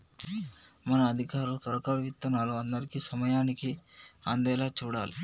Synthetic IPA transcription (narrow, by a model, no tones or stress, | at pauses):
mɐnɐːd̪ʱikaːɾulut̪ɐɾɐkalʋit̪ːɐnaːluɐnd̪ɐɾikisɐmɐjaːnikiand̪ɛːlaːt͡ʃuːɽa̰ːli